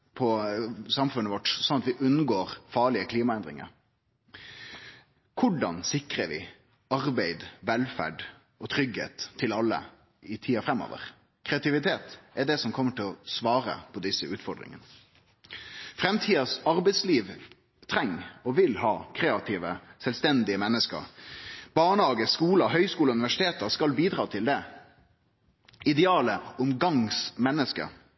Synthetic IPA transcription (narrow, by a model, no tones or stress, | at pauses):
pʰɔsɑmfʉnːəʋɔʈsɔnɑt̪ʋɪʔʉnːɡoːɾfɑːɭɪəkʰliːmɑɛnd̪ɾɪ̰ŋə̰ɾ | kʰʊɖɑnsɪkɾəʋɪ̰ | ɑɾbæɪd̪ʋɛlfæ̰ɖ | ɔt̪ʰɾʏɡhḛːt̪ʰːɪlɑlːə̰ | ɪt̪ʰiːɑfɾɛmːo̰ːʋə̰ʁ | kʰɾɛɑt̪ɪʋɪt̪ʰeːt̪ʔɛɖɛsɔmkʰɔmːəʈɪlɔsʋɑːɾə̰pʰɔd̪ɪsːəʉːt̪fɔʁɖɾɪ̰ŋə̰nə | fɾɛmt̪ʰiːɑsɑʁbɛɪsliːʋ | t̪ʰɾɛŋːɔʋɪlhɑːkʰɾeːɑt̪ʰiːʋəsɛlst̪ɛnd̪ɪəmɛnːəskə̰ɾbɑːɳəhɑːɡəskuːləɦœʏskuːləʉnɪʋæʂɪ̥t̪ʰeːt̪əskɑlbiːd̪ɾɑːt̪ʰɪld̪ɛ | ɪd̪ɛɑːləʊmɡɑŋsmɛnːəskə̰